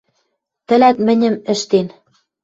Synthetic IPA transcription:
t̪ɘ̆læt̪mɘ̆nʲɘ̆mɘ̆ʃt̪en

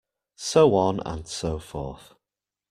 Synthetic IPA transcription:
soʊə̃nə̰̃nsoʊfɔ̰ˑθ

